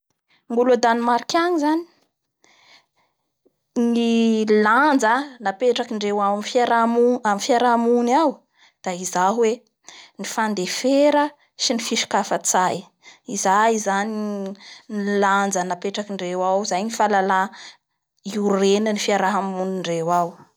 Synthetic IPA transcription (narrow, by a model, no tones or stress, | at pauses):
mulad̪animaɾikʲaɲizani̥ | niland͡zanapeʈ͡ʂakiɳɖ͡ʐewawmfaɾamuamifiaɾamunaw | d̪̥aizaɦwe | nifand̪efeɾə | ʃinifiʃi̥kafət͡saj | izaizaniniland͡zənapeʈ͡ʂakiɳɖ͡ʐewawzajnifalala | iurenənifiaɾaɦamuniɳɖ͡ʐewaw